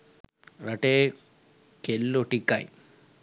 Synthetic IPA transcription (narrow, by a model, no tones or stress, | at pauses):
ɾɐʈe | kelːoʈikːa̰j